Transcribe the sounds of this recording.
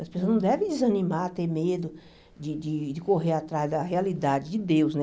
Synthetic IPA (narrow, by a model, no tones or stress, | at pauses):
ɐspesoznɐ̃w̃d̪ɛvẽj̃d͡ʒɪzɐnĩmat̪eɾmed̪ʊ | d͡ʒɪd͡ʒɪd͡ʒɪkoɦeɾat̪ɾazd̪ɐɦealid̪ad͡ʒɪd͡ʒɪd̪ewsnɛ